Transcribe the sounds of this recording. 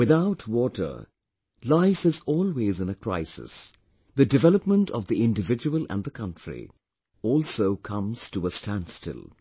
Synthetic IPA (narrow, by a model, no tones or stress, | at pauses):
wɨðaʊtʰwɔːʈə̰˞ | laɪfɨzɔːlˠweːzɨ̃nəkʰɹ̥aɪsɪ̰s | ðɨdɨvɛləpmə̃ntʰʌ̰vðiɪ̃ndɨvɪd͡ʒɨwəlˠʔæ̰̃nðəkʰʌ̃ntɹ̥ḭ | ɔːlˠsoʊkʰʌ̃mz̥təəstʰæ̃ndstɪ̰lˠ